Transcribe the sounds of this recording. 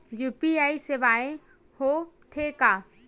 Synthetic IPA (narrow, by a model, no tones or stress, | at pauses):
juːpiaːiseʋaːẽ | hot̪ʰekaː